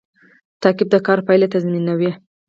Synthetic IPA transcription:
t̪ɑkɪb̚d̪əkɑɾpajlet̪azminawi

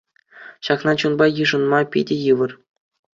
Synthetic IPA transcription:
ɕɑknɑt͡ɕunbɑjɯʐɤ̆nmɑpʲidʲejɯʋɤ̆r

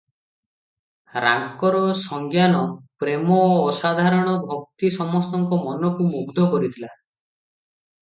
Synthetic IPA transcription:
ɾa̰ŋkɔɾɔsɔŋɡjanɔpɾemɔːsad̪ʱaɾɔɽ̃ɔbʱɔk̚t̪isɔmɔst̪ɔŋkɔmɔnɔkumuɡd̪ʱɔkɔɾit̪ʰila

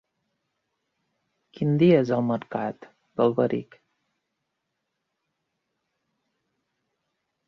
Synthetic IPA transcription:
kind̪ijazalməɾkat̪ | bəlbəɾḭk

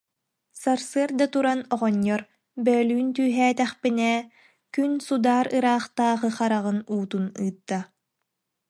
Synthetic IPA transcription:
saɾsɯɐɾd̪at̪uɾanɔʁɔɲːɔɾ | bœːlyːnt̪yːɦɛːt̪ɛχpinɛː | kynsud̪aːɾɯɾaːχt̪aːʁɯχaɾaʁɯnuːt̪unɯːt̪ːa

